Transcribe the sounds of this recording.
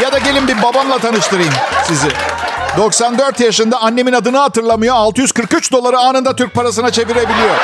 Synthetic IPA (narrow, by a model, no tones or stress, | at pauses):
jad̪aɟe̞lʲimbiɾbabamlˠat̪ʰanɯʃt̪ʰɯɾɯjɯmsizɪd̪o̞ksand̪øɾt̪jaʃɯnd̪aanːe̞minad̪ɯnɯɦat̪ɯɾlˠamɯjoalˠt̪ɯjyz̥kɯɾkyt͡ʃd̪o̞lˠaɾɯaːnɯnd̪at̪ʰyɾc̚paɾas̬ɯnat͡ʃʰe̞viɾe̞bilʲijo̞ɾ̥